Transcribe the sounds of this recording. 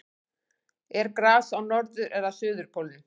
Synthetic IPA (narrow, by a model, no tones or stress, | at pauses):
ɛɾkɾaːsawnɔɾðʏɾʔɛðasʏːðʏɾ̥pʰɔwlnʏ